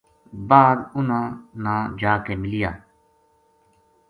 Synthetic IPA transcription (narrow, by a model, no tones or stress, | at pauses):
baːd̪ʊnãːnãːd͡ʒaːkeːmɪlijaː